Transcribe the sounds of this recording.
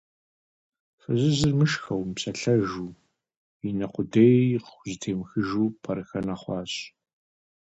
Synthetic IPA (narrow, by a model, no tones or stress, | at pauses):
fɨzɨzɪrmɨʃxɐwmpɕɐɬɐʒuː | inɐqʷʊdeːjqʷzɨtʰeːmxɨʒuːpʰɐɾɨxɐnɐχʷɑːɕ